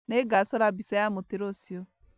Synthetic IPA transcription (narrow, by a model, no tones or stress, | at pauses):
neɡasɔɾabisajamoteɾosio